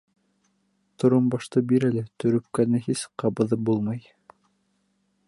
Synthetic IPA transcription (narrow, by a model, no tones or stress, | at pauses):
t̪ŏɾombɑʃt̪ɤbiɾælɘt̪ɵ̆ɾɵ̆p̚kænɘhisqɑbɤ̆ðɤp̚bulˠmɑj